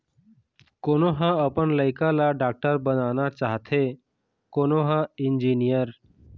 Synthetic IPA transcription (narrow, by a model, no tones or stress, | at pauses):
koːnoɦãəpənləɪkalaɖaːk̚ʈəɾbənaːnat͡ʃaːɦt̪ʰe | koːnoɦãɪnd͡ʒiːnijəɾ